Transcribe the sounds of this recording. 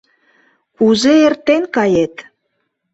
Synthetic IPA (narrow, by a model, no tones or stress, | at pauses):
uzeert̪enkɑjet̪